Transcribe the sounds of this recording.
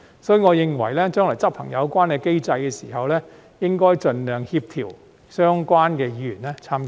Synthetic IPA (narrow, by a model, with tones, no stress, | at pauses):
sɔː˨˥jy˧ŋɔː˨˧jɪ˨˧ŋwɐ˨˩jlɛː˥t͡ʃœː˥ŋlɔː˨˩jt͡sɐ˥pʰɐ˨˩ŋjɐ˨˧wkʷaː˥nkɛː˧ke˥jt͡sɐ˧jkɛː˧siː˨˩ɦɐ˨wlɛː˥ | jɪ˥ŋkɔː˥jt͡ʃɵ˨nlœː˨˧ŋhiː˧p̚t̪ʰiː˨˩w | sœː˥ŋkʷaː˥nkɛː˧jiː˧yː˨˩nlɛː˥t͡sʰaː˥mkː